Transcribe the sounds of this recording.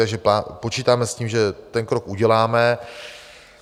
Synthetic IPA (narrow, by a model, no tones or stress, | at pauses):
aɡʒɛpapot͡ʃiːt̪aːmɛsciːmʒɛt̪ɛnkɾo̞kuɟɛlaːmɛ